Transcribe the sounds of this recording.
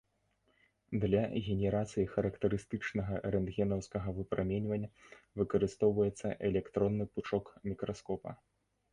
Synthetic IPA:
d̪lʲɐɣʲɛnʲɛɾat̪sɨjixɐɾɐkt̪ɐɾɨst̪ɨt͡ʂnɐɣɐɾɛnd̪ɣʲɛnɐwskɐɣɐvɨpɾʔamʲɛnʲvɐnʲːɐvɨkɐɾɨst̪ɔwvɐjɛt̪sːɐʔɛlʲɛkt̪ɾɔnːɨput͡ʂɔkmʲikɾaskɔpɐ̰

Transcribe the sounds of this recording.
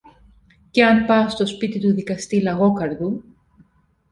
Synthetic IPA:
ceɐnpɐst̪o̞spit̪it̪uðikɐst̪ilɐɣo̞kɐɾðu

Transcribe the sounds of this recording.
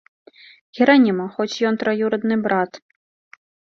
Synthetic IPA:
ɣʲiɾanʲimɐxɔt͡sʲjɔnt̪ɾajuɾɐd̪nɨbɾat̪

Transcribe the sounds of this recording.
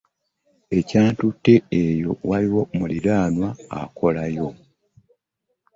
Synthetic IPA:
e̞caːntutːe̞ejo̞waliwo̞mulilaːnwaa̰kʰo̞lajo̞

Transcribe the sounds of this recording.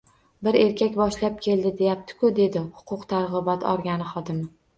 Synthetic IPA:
bɪɾe̞ɾkʲʰakʲbɒʃlap̚kʲʰe̞ld̪ɪd̪e̞jap̚t̪ʰɪ̥kʰʊd̪e̞d̪ɪhʊ̥qʰʊqt̪ʰaɾʁɨbɒt̪ʰɒ̰ɾɡʲanɪχɒd̪ɪmɪ

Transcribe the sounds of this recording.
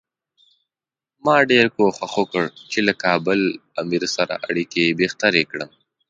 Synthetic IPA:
mɑːɖeɾkoxwaxokəɽt͡ʃelakɑːbəlamiɾsaɾa̰ʔaɽikebext̪aɾekɽəm

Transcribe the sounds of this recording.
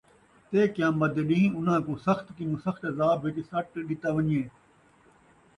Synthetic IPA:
t̪eːkjãːmbɐd̪eːɗĩːĩːʊnãːkũːsɐxt̪kɪnũːsɐxt̪zaːbʱʋet̪isɐʈɗɪt̪aːʋɐnieː

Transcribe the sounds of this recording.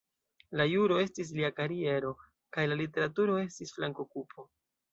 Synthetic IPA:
lajuɾo̞e̞stis̬liakaɾie̞ɾo̞ | kajlalite̞ɾatuɾo̞e̞stisflaŋko̞kupʰo̞

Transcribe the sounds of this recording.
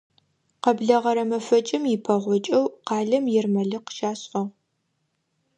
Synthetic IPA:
qɐbɮɐʁɐɾɐmɐfɐt͡ʃʼɪmjɪpʰɐʁʷɔt͡ʃʼɐwqɑːɮɐmjɛrmɐɮɨqə̥ʃaːɕʼʔɐʁ

